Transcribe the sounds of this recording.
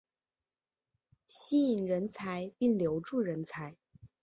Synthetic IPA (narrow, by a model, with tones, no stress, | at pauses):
ɕi˥i˨˩ŋɻə˧˥nt͡sʰa˧˥ɪpi˥˩ŋljo˧˥ʊʈ͡ʂu˥˩ɻə˧˥nt͡sʰa˧˥ɪ